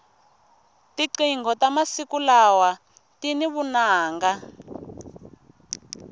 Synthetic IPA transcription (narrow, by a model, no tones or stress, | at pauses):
tiǀiŋɡɔtamasikulawa | tiniβunaːŋɡa